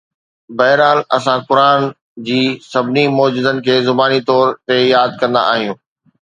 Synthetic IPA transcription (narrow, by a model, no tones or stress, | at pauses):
bɐɦɪɾaːlɐsãkʊɾaːn | d͡ʑiːsɐbɪnimɔːd͡ʑʊd̪ənɪ̆kʰeːzʊbaːnit̪ɔːɾt̪ejaːd̪̚kɐ̃nd̪a̰a̰ːɦijũː